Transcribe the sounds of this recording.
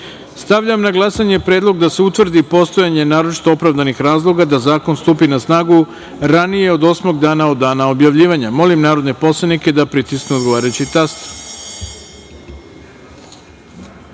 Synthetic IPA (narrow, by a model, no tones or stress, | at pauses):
st̪aʋʎamnaɡlˠasaɲe̞pɾeːd̪lˠo̞ɡd̪ase̞ut̪ʋr̩d̪ipo̞st̪o̞jaɲe̞naːɾo̞t͡ʃi̥t̪o̞opɾavd̪anixɾaːzlˠo̞ɡad̪azaːko̞nst̪upinasnaːɡu | ɾanije̞o̞d̪o̞smo̞ɡd̪aːnao̞d̪ːaːnao̞bjaʋʎiːʋaɲamo̞limnaːɾod̪ne̞po̞slˠadnike̞d̪apɾit̪iskneod̪ɡo̞ʋaːɾajut͡ɕit̪ast̪